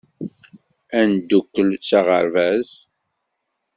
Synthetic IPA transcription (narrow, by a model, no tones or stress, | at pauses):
ænd̪ukːəlt͡sːaʁə̰ɾvæz